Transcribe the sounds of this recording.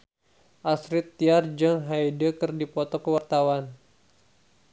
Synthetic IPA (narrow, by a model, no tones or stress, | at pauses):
ʔasɾɪt̪ːiard͡ʒaŋɦajdəkɨrdipɔt̪ɔkəwart̪awan